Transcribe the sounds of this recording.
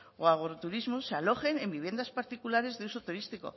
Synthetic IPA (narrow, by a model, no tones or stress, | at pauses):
oaɣɾot̪uɾizmosealo̞xe̞nẽmbiβje̞nd̪aspaɾt̪ikulaɾe̞zðeuso̞t̪uɾist̪iko̞̰